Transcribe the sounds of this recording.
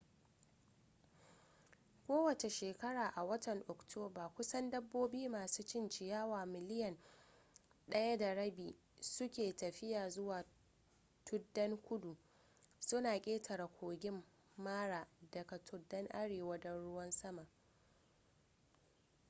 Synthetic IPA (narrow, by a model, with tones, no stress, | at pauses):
kʷoː˦wɐ˨t͡ʃe˨ʃeː˨kɐ˦ɽaː˨ʔa˨wɐ˦tʰɐ˨ŋʔɔ˨ktʰoː˦baː˨kʷʊ˦sɐ˦ndɐ˦bːoː˦biː˦maː˨suː˦t͡ʃɪ˦nt͡ʃɪ˨jaː˦waː˨mɪ˨lɪ˦jɐ˨n | ɗɐ˦jɐ˦da˨ɽɐ˦biː˨ | sʊ˦kʲeː˨tɐ˨ɸɪ˦jaː˨zʊ˦waː˨ | tʰʊ˦dːɐ˦ŋkʷʊ˦du˨ | sʊ˦naː˨kʲʼeː˦tʰɐ˨ɾa˨kʷoː˨ɡʲɪ˦mː | aː˦ɽaː˨dɐ˨ka˨tʰʊ˦dːɐ˦ŋʔa˦ɽeː˨wɐ˦dɐ˦nɽʊ˦wɐ˦nsɐ˦ma˨